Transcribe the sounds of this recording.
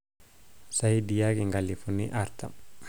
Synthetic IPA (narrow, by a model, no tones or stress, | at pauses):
sajdijakiŋɡalːifunːiʔaɾta̰